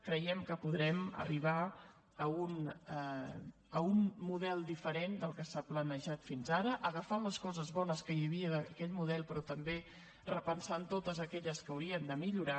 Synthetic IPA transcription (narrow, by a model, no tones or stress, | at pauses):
kɾəjɛmkəpuðɾɛmə̰riβ̞a | əun | əunmːuðɛlˠd̪ifəɾend̪əlˠkəsaplənəʒat̪finzaɾəʔəɣəfaləskɔzəzβɔnəskəjəβiəðəkɛʎmuðɛlˠpɾɔt̪əmbe | rəpənsant̪ot̪əzəkɛʎəskəːwɾiənd̪əmiʎuɾa